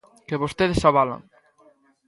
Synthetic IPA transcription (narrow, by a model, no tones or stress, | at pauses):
keβost̪eðesaβala̰ŋ